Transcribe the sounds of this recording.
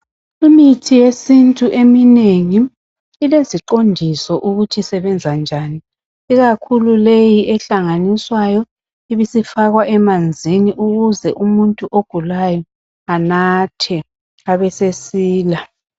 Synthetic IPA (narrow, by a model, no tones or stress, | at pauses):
imitʰijesintʼuʔemineŋiː | leziǃondʱisɔʔuɣutʰisɛβɛnd͡zʱand͡ʒʱaːni | iɣakʰululejiʔɛɬaŋaniswajɔ | iβisifaɣwaʔɛmand͡zʱiniʔuɣuzɛʔumuntʼuʔoɡ̥ʱulajɔ | anatʰɛ | aβɛsesiːla